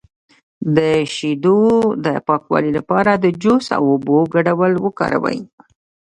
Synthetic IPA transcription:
d̪əʃid̪od̪əpɑkwɑ̰lilapɑɾad̪əd͡ʒosa̰woboɡaɖawəlwəkɑ̰ɾa̰wə̰j

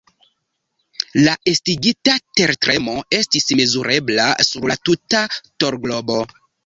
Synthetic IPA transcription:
laʔestiɡitate̞ɾtɾʔe̞moe̞stismezuɾe̞blasuɾlatutato̞ɾɡlo̞bo̞

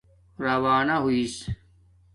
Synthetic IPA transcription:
ɾɐʋaːnaɦuiːs

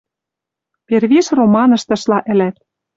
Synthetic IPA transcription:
perβiʃromɑnɤ̆ʃt̪ɤ̆ʃlɑʔɘ̆læt̪̚

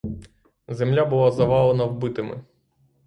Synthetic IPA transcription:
zemlʲabʊlˠazɐʋɑlˠenɐwbɪt̪ɪmɪ̰

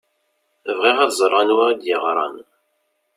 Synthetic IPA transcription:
əvʁiʁæðzˤɾˤːɑnwad̪jəʁɾˤɑ̰n

